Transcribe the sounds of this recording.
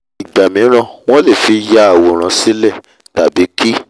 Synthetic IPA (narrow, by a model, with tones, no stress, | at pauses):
i˨ɡ͡ba˨mĩ˨˦ɾ̃ã˧w̃ɔ̃˦le˦˨fi˧˦ja˦a˨wo˨ɾ̃ã˧˦si˨˦lɛ˦˨ | ta˨bi˨˦ki˦